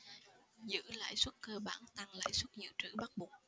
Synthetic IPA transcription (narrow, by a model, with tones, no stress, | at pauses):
zɨ̰˧˥la̰ː˧˥˨jswə˦˥t̚kəː˧ɓaː˧˩nt̪a˧ŋla̰ː˧˥˨jswə˦˥t̚zɨ̰˧˥t͡ɕɨ̰˧˩ɓa˦˥t̚ɓu˨˩ək̚